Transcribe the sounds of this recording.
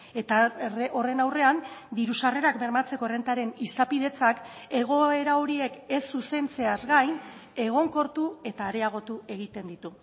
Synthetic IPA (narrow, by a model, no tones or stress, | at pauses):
et̪arʔo̞re̞nawre̞and̪iɾusare̞ɾakbe̞ɾmat͡se̞ko̞re̞nt̪aɾe̞nisapið̞e̞t͡sake̞ɣ̞o̞e̞ɾao̞ɾie̞ke̞sːuse̞nt͡se̞azɡajne̞ɣ̞o̞ŋko̞ɾt̪ue̞t̪aːɾeaɣ̞o̞t̪ue̞ɣ̞it̪e̞nd̪it̪u